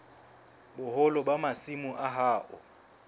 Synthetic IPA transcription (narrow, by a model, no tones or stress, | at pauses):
ɓʊhɔlɔɓamasimuʔaɦaːʔʊ̰